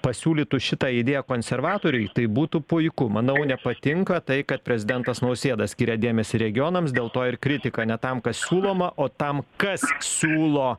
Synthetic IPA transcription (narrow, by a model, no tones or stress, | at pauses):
pɐsʲuːlʲiːt̪ʊʃʲɪt̪ɑːɪd̪ʲeːjɛkoːnʲsʲɛɾʋɑːt̪oːɾʲʊɪt̪ɐɪbuːt̪ʊpʊɪkʊmɐnɐʊnʲɛpɐt̪ʲɪŋkɐt̪ɐɪkɐt̪̚pʲɾʲɛzʲɪd̪ʲɛnt̪ɐsnɐʊsʲeːd̪ɐsʲkʲiːɾʲɛd̪ʲeːmʲɛsʲɪɾʲɛɡʲɪjoːnɐmsd̪ʲeːlˠt̪oːɪɾkɾʲɪt̪ʲɪkɐnʲɛt̪ɐmkɐssʲuːlˠoːmɐʔoːt̪ɐmkɐssʲuːlˠoː